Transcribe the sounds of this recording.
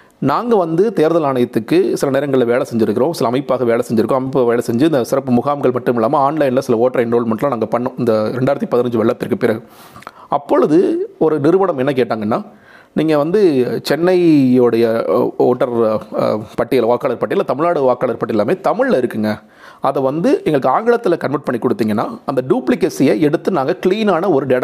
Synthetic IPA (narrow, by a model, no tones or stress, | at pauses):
naːŋɡɐʋɐnd̪ɯt̪eːɾðɐlaːɳɐjɐt̪ːɯkːɯsɪlɐneːɾɐŋɡɐɭɪlɐʋeːɭɐsɛɲd͡ʒɪɾɯkːɪɾõːsɪlɐːmɐɪpːaːɣɐʋeːɭɐsɛɲd͡ʒɪɾɯkːʊ̃ɐmɐɪpːɯʋeːɭɐsɛɲd͡ʒɯɪnd̪ɐsɪɾɐpːɯmʊɣaːmɡɐɭmɐʈːɯmɪlːaːmɐaːnlɐɪnlɐsɪlɐoːʈɐɾɐɪnɾoːlmɐʈlãːnaːŋɡɐpɐɳːʊ̃ɪnd̪ɐɾɛɳɖaːjɾɐt̪ːipɐðɪnɐɲd͡ʒɯʋɐɭːɐp̪ːɪɾkːɐpːɪɾɐɣɯ | ɐpːɔɻɯðɯɔɾɯnɪɾɯʋɐɽɐmɛnːɐk̬eːʈːaːŋɡɐnːaː | niːŋɡɐʋɐnd̪ɯt͡ʃɛnːɐɪɔɽɐjɐoːʈːɐɾ | pɐʈːɪjɐlɐʋaːkːaːlɐɾpɐʈːɪjɐlat̪ɐmɪɭaːɽɯʋaːkːaːlɐɾpɐʈːɪlːaːmeːt̪ɐmɪɻlɐɪɾɯkːɯŋɡɐ | ɐðɛʋɐnd̪ɯɛŋɡɐɭɯkːɯaːŋɡɪɭɐt̪ːɪlɐkɐɳʋɐɾʈ̚pɐɳːikːɔɽɯt̪ːiːŋɡɐnːaːɐnd̪ɐɖjuːplɪkeːsɪjɐɛɽɯt̪ːɯnaːŋɡɐkɪɭiːnaːnɐɔɾɯɖeːɽɐ